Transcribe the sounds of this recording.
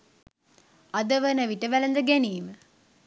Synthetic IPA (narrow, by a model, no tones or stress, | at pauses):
ad̪əʋənəʋiʈəʋælənd̪əɡeniːmə